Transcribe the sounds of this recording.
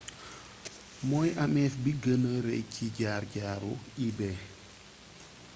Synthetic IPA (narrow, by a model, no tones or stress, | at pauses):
mɔjʔamɛfbiɡənəɾɛ̰jcʰːiɟaːrɟaːɾuibɛ